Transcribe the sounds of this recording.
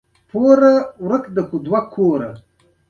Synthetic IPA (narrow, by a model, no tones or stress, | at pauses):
pʰoːɾawɾəkd̪əkud̪wakʰoːɾɐ̰